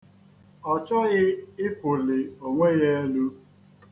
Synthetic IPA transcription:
ɔ˨t͡ʃɔ˦ɣɪ˦ɪ˦fʊ˨lɪ˨o˨ŋʷe˦ɣe˦lu˦

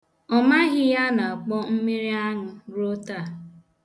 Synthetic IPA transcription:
ɔ˨ma˦ɣɪ˦ja˦na˨a˨k͡pɔ˦m̩˦mi˦ɾi˦a˦ŋʊ˦ɾo˦ta˦˨

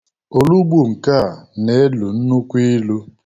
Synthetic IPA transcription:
o˨lu˦bu˦˨ŋ̩˨ka˦˨ne˨˦lu˨n̩˦nu˦kʷi˦lu˦

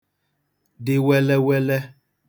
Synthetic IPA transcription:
dɪ˦wɛ˦lɛ˦wɛ˦lɛ˦

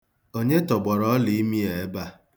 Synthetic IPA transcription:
o˦ɲe˦tɔ˨ɡ͡bɔ˨ɾɔ˦li˨i˦mi˦e˨˦ba˦

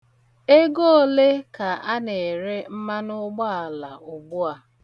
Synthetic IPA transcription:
e˦ɡo˦o˦le˦ka˨a˦ne˨ɾe˦m̩˦ma˦nʊ˦ɡ͡ba˦a˨la˨ʊ˨ɡ͡bʊ˦a˨

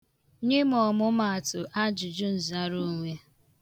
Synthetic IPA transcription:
ɲe˦m˦ɔ˨mʊ˦ma˨a˨tʊ˨ʔa˦d͡ʒʊ˨d͡ʒʊ˦n̩˨za˦ɾu˦˨ŋʷe˦

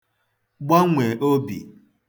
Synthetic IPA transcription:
ɡ͡ba˦ŋʷe˨ʔo˦bḭ˨

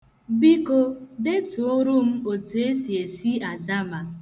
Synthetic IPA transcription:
bi˦ko˦de˦tu˨o˦ɾu˦m̩˦o˨tu˨e˦si˨e˨si˦a˨za˦ma˨

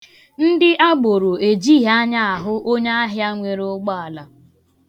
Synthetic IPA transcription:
n̩˦dɪ˦ʔa˦ɡ͡bo˨ɾo˨e˨d͡ʒi˦ɦa˦ɲa˦a˨ɦʊ˦ʔo˦ɲa˦a˦ɦɪ˦a˦ŋʷe˨ɾʊ˦ɡ͡ba˦a˨la˨

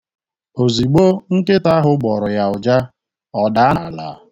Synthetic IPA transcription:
o˨zi˨ɡ͡bo˦ŋ̩˦ke˦ta˦ɦʊ˦ɡ͡bɔ˨ɾʊ˨ja˨ʊ˨d͡ʒa˦ | ɔ˨da˨a˦˨la̰˨

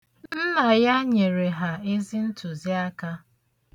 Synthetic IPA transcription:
nn̩˦na˨ja˦ɲe˨ɾe˨ɦa˨e˦zi˦n̩˦tʰʊ˨zi˦a˦ka˦

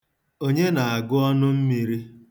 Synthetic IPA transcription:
o˦ɲe˦na˨a˨ɡʊ˦ɔ˦nʊ˦m̩˦mi˨ɾi˦

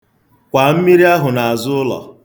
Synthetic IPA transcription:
kʷa˨m̩˦mi˦ɾi˦a˦ɦʊ˨na˨a˨zʊ˦ʊ˦lɔ̰˨

